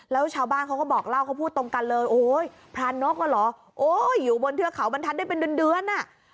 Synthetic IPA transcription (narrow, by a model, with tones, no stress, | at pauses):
lɛː˦˥wt͡ɕʰaː˧wbaː˥˩nkʰa˦˥wkɔː˥˩bɔː˨˩k̚la˥˩wkʰa˥˩wpʰuː˥˩t̪ːo˧ŋka˧nlɤː˧jʔoː˨˩j | pʰɾaː˧nːo˦˥k̚mɔ˧˩lɔː˩˦ | ʔoː˧jːuː˨˩bo˧nt̪ʰɯ˧ɐkʰa˩˦wba˧nt̪ʰa˦˥daː˥˩jpe˧ndɯ˧əndɯ˧ənʔa˨˩ʔ